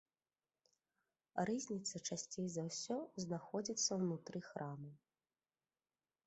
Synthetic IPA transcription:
rɨzʲnʲit̪sɐt͡ʂasʲt͡sʲejzawsʲɔznaxɔd͡zʲit̪sːɐwnut̪ɾɨxɾʔamɨ

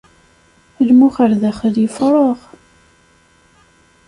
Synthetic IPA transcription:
lmuχəɾðæχələfɾˤoʁ

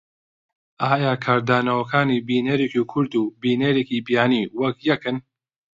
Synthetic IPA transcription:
ʔaːjaːkʰaːɾd̪aːnɐwɐkʰaːnibiːneɾeːkikʰʊɾd̪ubiːneːɾeːkibijaːniːwɐkjɐkɨn

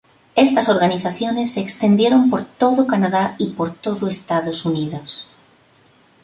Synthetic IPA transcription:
est̪ɐsoɾɣaniθaθjonesekst̪end̪jeɾompoɾt̪oðʊkanaðaipoɾt̪oðʊest̪aðosuniðos

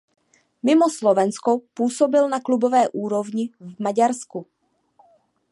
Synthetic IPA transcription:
mɪmoslovɛnskopuːsobɪlnaklubovɛːʔuːɾo̞vɲɪvmaɟaɾsku

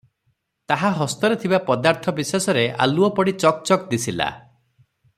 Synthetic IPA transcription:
t̪aɦaɦɔst̪ɔɾet̪ʰibapɔd̪aɾt̪ʰɔbisesɔɾea̰luɔpɔɽit͡ʃɔk̚t͡ʃɔkd̪isʰila̰

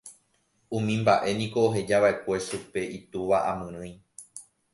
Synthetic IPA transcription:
ũmĩmbaʔe̞nĩko̞ːɦe̞d͡ʒaʋaʔe̞kʷe̞supe̞ʔit̪uʋaʔamɨ̃ɾ̃ɨ̃j̃

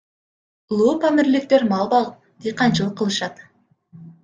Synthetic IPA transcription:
ulˠuːpɑmɪɾlɪk̚t̪eɾmɑlˠbɑlˠəp | d̪̥ejqɑnt͡ʃɯlˠəqʰːəlˠɯʃɑt̪

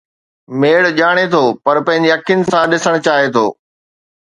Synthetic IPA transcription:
meːɽʄaːɽ̃et̪ʰoːpɐɾpɐ̃ɦɪ̃ɲ̆d͡ʑeɐkʰjənɪ̆sãɗɪsəɽ̃ʊt͡ɕaːɦet̪ʰoː

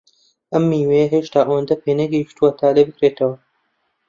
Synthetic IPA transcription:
ʔɐmːiːwejɐɦeːʃt̪aːʔɐwɐnd̪ɐpʰeːnɐɡɐjiʃt̪uwɐt̪ʰaːlebɨkɾeːt̪ʰɐwɐ

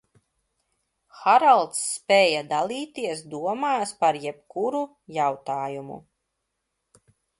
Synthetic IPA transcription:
xaɾalˠt̪sːpʲɛjad̪alˠiːt̪iɛsd̪uɔmaːspaɾjɛbkuɾu | jawt̪aːjumṵ

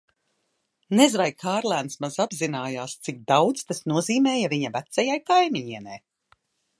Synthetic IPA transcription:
nezvajkʰaːɾlˠænsmazabzinaːjaːst̪sik̚d̪awt̪st̪asnuɔziːmɛːjaviɲavæt̪sɛjajkajmiɲiɛnɛ̰j

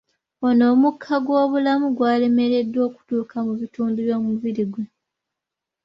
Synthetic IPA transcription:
ono̞ːmukʰːaɡwo̞ːβulamuɡwaːle̞me̞ɾe̞dːwo̞ːku̥tuːkʰamuβituːnduβjoːmuβiɾiɡwe

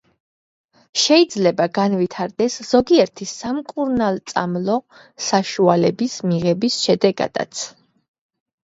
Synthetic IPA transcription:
ʃɛid̪zlɛbaɡanvit̪ʰaɾd̪ɛsz̥ɔɡiɛɾt̪ʰisamkʼuɾnalˠt̪sʼa̰mlˠɔ | saʃualɛbismiʁɛbisʃɛd̪ɛɡa̰d̪̥a̰t̪sʰ

